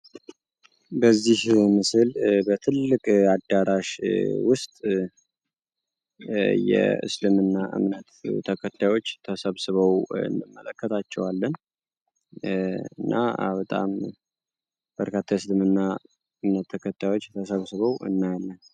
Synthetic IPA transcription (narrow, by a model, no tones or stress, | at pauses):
bəzːihmɨsɨlbət̪ʰɨlːɨkʼad̪ːaɾaʃwʊst̪ʼ | jɛ̰ɨ̰slɨmɨnːaʔɨ̰mnət̪t̪ʰəkʰət̪ʰːajwo̞t͡ʃːt̪ʰəsəβsɨβəwɨ̰nd̪ɨmːələkʰːət̪ʰat͡ʃːɛwalːən | ɨnːʔa̰bət̪ʼa̰m | b̥əɾkʰat̪ʰːajɨslɨmɨnːa | ɨmnət̪ʰːəkʰət̪ʰːajwo̞t͡ʃːt̪ʰəsəβsɨβəwʔɨ̰nːajalːən